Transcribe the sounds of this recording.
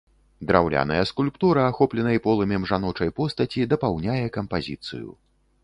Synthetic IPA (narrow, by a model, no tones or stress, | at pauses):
d̪ɾa̰wlʲa̰nɐ̰jɐskulʲpt̪uɾɐːxɔplʲɛnɐipɔlˠɐmʲɛmʐanɔt͡ʂɐjpɔst̪ɐt͡sʲid̪ɐpawnʲajɛkɐmpazʲit̪sɨ̰jṵ